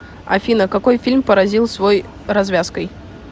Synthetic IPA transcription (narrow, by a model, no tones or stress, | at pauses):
ɐ̰fʲinəkakɔjfʲilʲmpəɾɐzʲilˠsvoj | ɾɐzvʲaskəj